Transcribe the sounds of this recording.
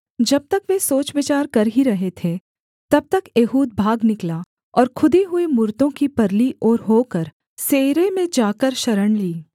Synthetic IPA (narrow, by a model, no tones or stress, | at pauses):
d͡ʒɐb̚t̪ɐkʋẽsoːt͡ʃʋɪt͡ʃaːɾkɐɾɦiɾɐɦet̪ʰe | t̪ɐb̚t̪ɐkeːɦuːd̪̚bʱaːɡnɪkla | ɔːɾkʰʊd̪eɦʊemʊɾt̪õkipɐɾliʔɔːɾɦoːkəɾ | seːɾemẽd͡ʒaːkəɾʃɐɾəɽliː